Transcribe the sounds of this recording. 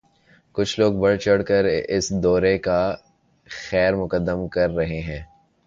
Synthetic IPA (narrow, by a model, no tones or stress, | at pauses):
kʊt͡ʃʰloːɡ̚bɐɽt͡ʃɐɽkəɾɪ̰sd̪ɔːɾeka | xɛːɾmʊkəd̪ːəmkɐɾːɐɦeɦɛ̃ː